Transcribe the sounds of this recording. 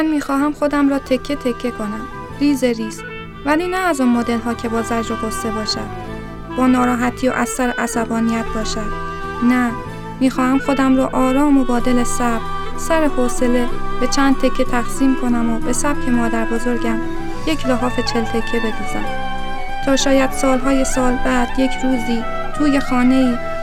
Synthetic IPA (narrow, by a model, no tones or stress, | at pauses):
ænmiːxɒːɦæmxo̞d̪æmɾɒːt̪ʰe̞cʰːe̞t̪ʰe̞cʰːe̞kʰo̞næm | ɾiːzeɾiːs | væliːnæːzonmod̪e̞lɦɒːcʰe̞bɒːzæd͡ʒoɡost̪e̞bɒːʃæd̪ | b̥ɒːnɒːɾɒːɦæt̪ʰːijo̰ʔæsæɾeʔæsæbɒːnijæt̪̚bɒːʃæd̪̥ | næ | miːxɒːhæmxo̞d̪æmɾɒːʔɒːɾɒːmo̞bɒːd̪e̞lesæb̥̚csæɾefɒːse̞le̞b̥e̞t͡ʃʰæːnd̪̚t̪ʰe̞cʰːet̪ʰæxsiːmkʰo̞næmobe̞sæb̥cʰe̞mɒːd̪æɾbo̞zo̞ɾɟæm | je̞cʰlɒɦɒːfe̞t͡ʃʰelt̪ʰe̞cʰːe̞be̞d̪iːzæ̰m | t̪ʰɒːʃɒːjæd̪̥sɒːlɦɒːje̞sɒːlbæd̪̥je̞cʰɾuːziː | t̪ʰuːje̞xɒːne̞iː